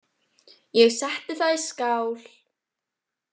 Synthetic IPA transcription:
jɛɣsaht̪ɪθaðiskawl̥

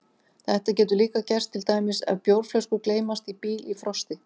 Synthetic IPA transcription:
θɛht̪acɛːt̪ʏliːkacɛr̥st̪ʰːɪlt̪aːjmɪsɛ̰ðpjowɾflœwskʏkleːjmast̪ipiːlifɾɔst̪ɪ

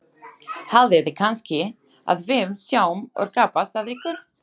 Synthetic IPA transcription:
halðɪðɪkʰanscɪ | a̰ðvɪmsjaːwmɔ̰ɾkaːpast̪aðiːkʏ

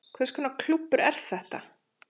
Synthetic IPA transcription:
kʰvɛskʰɔnakʰlupːʏɾɛɾ̥θɛht̪a

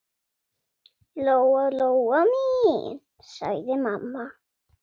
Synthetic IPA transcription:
lowalowami | sa̰jðemamːa

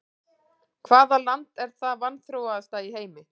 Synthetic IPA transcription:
kʰvaːðalant̪ɛɾ̥θavanθɾowast̪aiɦeːjmɪ

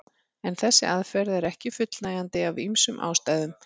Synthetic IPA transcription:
ɛnθɛsːɪ̰ʔaðfɛɾðɛɾɛhcɪfʏt̪lnaːjant̪ɪavimsʏmʔa̰ːwst̪aːjðʏm

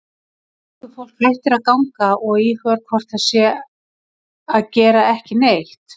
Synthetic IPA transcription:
θʏfowl̥kɾejht̪ɪɾaðkawŋkaʔɔɣihœɾkʰvɔr̥t̪asjɛ | aðcɛːɾaɛhcɪnejht̪

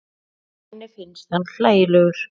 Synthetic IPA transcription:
ɛnːɪfɪnːst̪hanɬaːjlœɣʏɾ̥

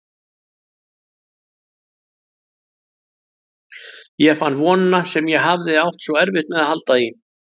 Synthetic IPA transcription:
jɛfanːvɔːnasɛmjɛɦavðɪawht̪svɔɛɾvɪht̪mɛðahalt̪ai

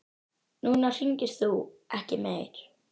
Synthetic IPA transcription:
nuːnar̥iɲcɪsθuːɛhcɪmeːɾ

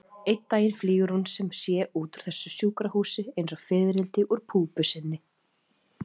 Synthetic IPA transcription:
ejt̪ːaːjɪnfliːɣʏɾ̥hunsɛmsjɛʔuːt̪uɾ̥θɛsːʏsjuːkɾahuːsɪejns̬ɔɣfɪːðɾɪlt̪ɪʔuɾ̥pʰuːpʏsɪnːɪ

